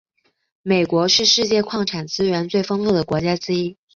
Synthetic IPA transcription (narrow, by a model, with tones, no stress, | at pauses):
me˨˩ɪkwɔ˧˥ʂɻ̩˥˧ʂɻ̩˥˧t͡ɕjɛ˥˧kʰwɑ˥˩ŋʈ͡ʂʰa˨˩nt͡sɹ̩˥ɥɛ˧˥nt͡swe˥˩ɪfɤ˥ŋfu˥˩d̪ə˩kwɔ˧˥t͡ɕja˥ʈ͡ʂɻ̩˥i˥